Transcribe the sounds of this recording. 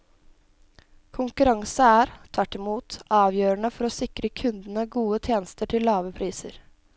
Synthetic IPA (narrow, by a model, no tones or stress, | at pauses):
kʰʊŋkʉɾɑŋsəæːɾt̪ʰʋæʈːɪmuːt̪ɑːʋjøːɾəɳəfɔɾɔsɪkɾəkʰʉnd̪nəɡuːət̪ʰjeːnəst̪əʈʰɪllːɑːʋəpʰɾiːsəɾ